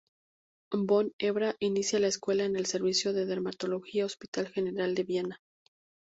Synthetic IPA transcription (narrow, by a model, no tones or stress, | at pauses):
bo̞ne̞βɾaʔinisjalaeskwe̞laene̞lse̞ɾβisjo̞ðe̞ð̞eɾmat̪o̞lo̞xiao̞spit̪alxe̞ne̞ɾald̪e̞βjena